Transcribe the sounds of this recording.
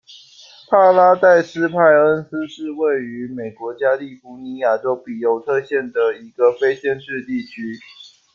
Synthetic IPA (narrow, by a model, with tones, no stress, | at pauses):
pʰa˥la˥t̪a˥˩ɪsɹ̩˥pʰa˥˩ɪə˥ns̩˦ʂɻ̩˥˧we˥˩ɪy˧˥me˨˩ɪkwɔ˧˥t͡ɕja˥li˥˩fu˧˥ni˧˥ja˨˩ʈ͡ʂo˥ʊpi˨˩jo˧˥ʊt̪ʰɤ˥˧ɕjɛ˥˩nd̪ə˩i˧˥ɡ̥ə˧˨fe˥ɪɕjɛ˥˧nʂɻ̩˥˧t̪i˥˩t͡ɕʰy˥